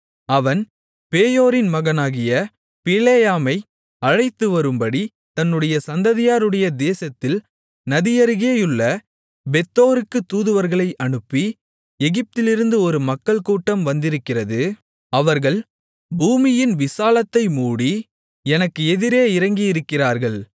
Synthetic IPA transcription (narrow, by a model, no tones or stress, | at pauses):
ɐʋɐn | peːjoːɾɪnmɐɣɐnaːɣɪjɐ | pɪleːjaːmɐɪ | ɐɻɐɪt̪ːɯʋɐɾɯmbɐɽi | t̪ɐnːɯɽɐjɐsɐnd̪ɐðɪjaːɾɯɽɐjɐd̪eːsɐt̪ːɪl | nɐðɪjɐɾɯɣeːjɯɭːɐ | bɛt̪ːoːɾɯkːɯt̪ːuːðɯʋɐɾɣɐɭɐɪʔɐɳɯpːi | ɛɣɪp̚t̪ɪlɪɾɯnd̪ɯɔɾɯmɐkːɐɭkuːʈːɐmʋɐnd̪ɪɾɯkːɪrɐðɯ | ɐʋɐɾɣɐɭ | buːmɪjɪnʋɪsaːlɐt̪ːɐɪmuːɽi | ɛnɐkːɯɛðɪɾeːɪɾɐŋɡijɪɾɯkːɪraːɾɣɐɭ